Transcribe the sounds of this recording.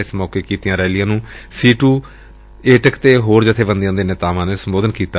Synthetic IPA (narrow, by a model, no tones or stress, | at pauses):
ɪsmɔːkeːkiːt̪ɪjãːɾɛːlɪjãːnũːsiːʈuː | eːʈəkt̪eːɦoːɾd͡ʒɪt̪ʰːeːbənd̪ijãːd̪eːnɪt̪aːʋãːneːsəmboːd̪ənkiːt̪a